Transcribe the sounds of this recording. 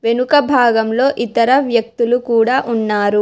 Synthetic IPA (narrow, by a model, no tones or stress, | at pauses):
ʋe̞nukɐbʱaːɡɐmlo̞ːʔit̪ɐɾɐʋjɐk̚t̪ulukuːɽaːʔunːaːɾu